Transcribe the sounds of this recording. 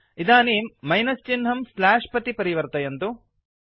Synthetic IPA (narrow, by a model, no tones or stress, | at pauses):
id̪aːniːmːɐjnɐst͡ʃinɦɐmslaːʂpɐt̪ipɐɾiʋɐɾt̪ɐjɐnt̪u